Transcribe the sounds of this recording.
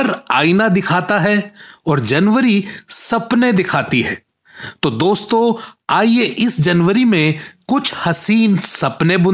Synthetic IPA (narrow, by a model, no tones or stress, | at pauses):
ɾaːinad̪ɪkʰaːt̪aɦɛɔːɾd͡ʒɐnʋəɾisɐpned̪ɪkʰaːt̪iɦɛː | t̪oːd̪oːst̪õaːieʔɪsd͡ʒɐnwəɾimẽkʊt͡ʃʰhɐsiːnsɐpnebʊ̃